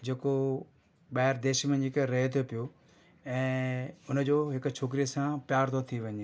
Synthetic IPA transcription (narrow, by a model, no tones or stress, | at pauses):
d͡ʑeːko | ɓaɦɪɾd̪eːʃmẽɪkɾɐɦet̪ʰopɪjoː | ɛ̃ːʊnd͡ʑoːɦɪkt͡ʃʰoːk̬ɾijəsãpjaːɾt̪ʰot̪ʰiʋɐɲeː